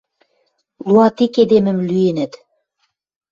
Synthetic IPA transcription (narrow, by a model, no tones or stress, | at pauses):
luɑt̪iked̪emə̆mlyenə̆t̪